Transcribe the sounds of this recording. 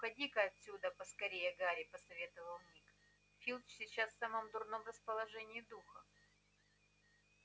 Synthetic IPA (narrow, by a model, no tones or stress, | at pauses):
ʊxɐdʲikəɐt̪ʲsʲud̪əpəskɐɾʲejəɡaɾʲɪpəsɐvʲe̞t̪əvəlˠmʲik | fʲilʲˠt͡ɕsʲɪt͡ɕːasfsamomd̪ʊrnomrəspəlˠɐʐɛnʲɪɪd̪uxə